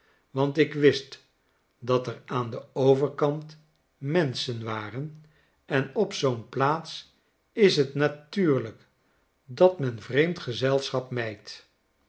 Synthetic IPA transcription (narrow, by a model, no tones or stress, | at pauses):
ʋɑntɪkʋɪst | dɑtəraːndəowvəɹkɑnt | mɛnsənʋaːrən | ɛnɔpsownplaːts | ɪsɦətnatyːɹlək | dɑtmɛnvrejmtχəzɛlˠsχɑp̚mɛjt